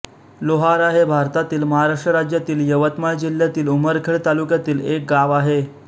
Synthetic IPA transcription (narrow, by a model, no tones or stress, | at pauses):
loɦaɾaɦebʱaɾt̪at̪iːlməɦaɾaʂʈɾəɾad͡ʑjat̪iːljəʋət̪majd͡ʑiljat̪iːluməɾkʰeɭt̪alukjat̪iːlek̚ɡaʋaɦe